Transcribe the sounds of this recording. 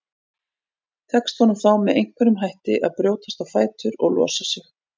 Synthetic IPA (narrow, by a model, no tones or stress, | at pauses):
t̪ʰɛkst̪vɔnʏmθawmɛðejŋ̥kʰvɛɾʏmɦajht̪ɪʔa̰ðpɾjoːwt̪ḁst̪awfaːjt̪ʏɾɔ̰ɣlɔ̰ːsasɪx